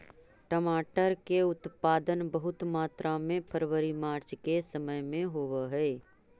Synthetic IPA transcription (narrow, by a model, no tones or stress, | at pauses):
ʈəmaːʈəɾkeʊt̪paːd̪ənbəɦʊt̪maːt̪ɾʔamẽpʰəɾwəɾimaːɾt͡ʃkesɐməjmẽɦoʋəɦɛː